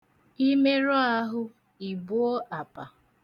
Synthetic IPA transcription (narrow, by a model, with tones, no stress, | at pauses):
i˦me˦ɾɔ˦a˦ɦʊ˦ | i˨bʊ˦o˦ʔa˨pa˨